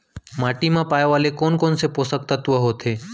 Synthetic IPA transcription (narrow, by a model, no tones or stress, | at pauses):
maːʈimãpaːjʋaːlekoːnkoːnsepoːsək̚t̪at̪ʊʋəɦoːt̪ʰeː